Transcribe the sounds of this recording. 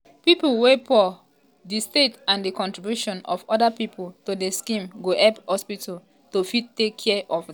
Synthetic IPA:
pipulwepʰɔ | distetãndikɔ̃ntɹibjuʃɔ̃nɔ̰fɔdapipʰoltodeskĩmɡoɛphɔspitʰal | tofid̚tːekʰːɛʔɔf

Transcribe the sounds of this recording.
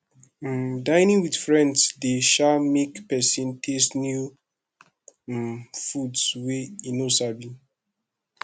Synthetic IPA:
dãɪnĩŋwidfɹɛ̃ndsdeʃamekpɛsĩntʰestnju | fudsweinosabi

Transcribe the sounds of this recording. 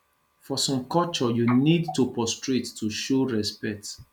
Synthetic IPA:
fɔsɔ̃mkɔlt͡ʃɔjunidtupɔstɹetːuʃoɹɛspɛk̚t

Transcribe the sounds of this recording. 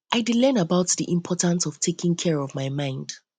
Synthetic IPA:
ʔaɪdɪlɛnəbaʊtðiʔɪ̃mpʰɔtə̃nsɔv̥tʰekɪ̃ŋkʰɛɹɔvmaɪmãɪ̃nd̥

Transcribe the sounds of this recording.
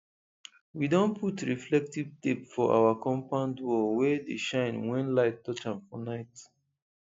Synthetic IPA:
widõnpʰutɹiflɛk̚tivtepfɔʔa̰wakɔ̃mpãndwɔwɛdeʃãɪ̃nwɛ̃nlaɪttːɔt͡ʃãmfɔnaɪt

